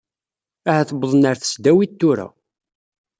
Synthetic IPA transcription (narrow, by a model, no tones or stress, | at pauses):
æhæθəbəðˤnəɾθə̥sd̪æwit̪ːʊɾæ̰